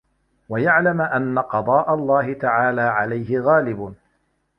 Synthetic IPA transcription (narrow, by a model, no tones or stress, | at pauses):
wajaʕlamʔanːaqɑd̪ˤɑːʔalˤːɑːɦɪt̪aʕaːlaːʕalajɦɪɣaːlɪbʊ